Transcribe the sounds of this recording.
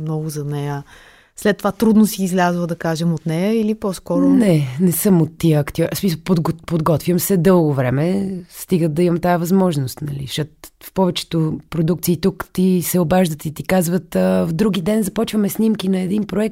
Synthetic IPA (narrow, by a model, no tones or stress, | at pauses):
mnɔɡʊzɐnɛjə | slɛt̪ːovat̪ɾud̪nosiːzlʲazvəd̪ɐkaʒɛmot̪nɛjəilipɔskɔɾʊnɛnɛsɤmot̪ːiəɐkt̪iɔɾsmisəlˠpod̪ɡopod̪ɡɔt̪vʲjəmsɛd̪ɤlˠɡovɾɛmɛst̪iɡət̪̚d̪ɐimɐmt̪ajəvɐzmɔʒnost̪nɐlḭʃət̪fpɔvɛt͡ʃɛ̥t̪opɾod̪ukt̪siːt̪ukt̪isɛobaʒd̪ət̪it̪ikazvət̪əvd̪ɾuɡid̪ɛnzɐpɔt͡ʃvəmɛsnimkinɐɛd̪inpɾoɛk̚tt̪